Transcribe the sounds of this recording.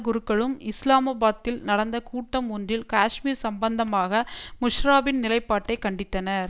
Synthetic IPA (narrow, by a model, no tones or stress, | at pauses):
ɡʊɾɯkːɐɭɯmɪslaːmɐːbaːt̪ːɪlnɐɽɐnd̪ɐkuːʈːɐmundrɪlkaːʂmiːɾsɐmbɐnd̪ɐmaːɣɐmʊʂɾaːbɪnnɪlɐɪpːaːʈːɐɪkɐɳɖɪt̪ːɐnɐɾ